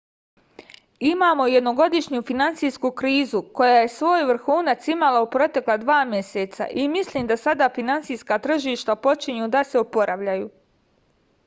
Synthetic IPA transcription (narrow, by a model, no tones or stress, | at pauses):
imaːmo̞je̞d̪no̞ɡo̞d̪iʃɲufinant̪sijskukɾiːzuko̞jaːje̞sʋo̞ːjʋr̩xuːnat̪simalaupɾo̞t̪e̞klˠad̪ʋaːmje̞set̪sa̰ʔimisliːmd̪asad̪afinant̪sijskaːt̪r̩ʒiːʃt̪apo̞t͡ʃiɲud̪aseopo̞ɾʔaʋʎajuː